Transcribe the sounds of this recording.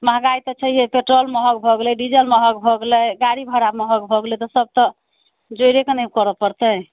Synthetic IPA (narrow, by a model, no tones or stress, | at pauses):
məɦɡait̪ɔt͡ʃʰəjɦepeʈɾolməɦəkbʱɔɡlɛɖid͡ʒəlməɦək̚bʱɔɡlɛɡaɾibʱəɾaməɦəkbʱɔɡlɛt̪ɔsəb̚t̪ɔ | d͡ʒojɾekenəkɔɾɔpəɾt̪ə